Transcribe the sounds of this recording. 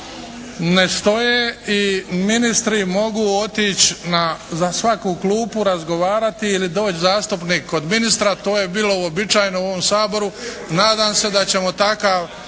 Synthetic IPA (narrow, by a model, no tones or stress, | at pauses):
ne̞st̪o̞jeːiminist̪ɾimo̞ɡuot̪iːt͡ɕnazasʋakuːkluːpuɾazɡo̞ʋaːɾat̪iːlid̪o̞ːt͡ɕzaːst̪upniːkʰːod̪minist̪ɾat̪o̞ːje̞biːlo̞uobit͡ʃaːjnouoʋomsaːbo̞ɾu | naːd̪aːmse̞d̪at͡ɕe̞mo̞t̪akaːʋ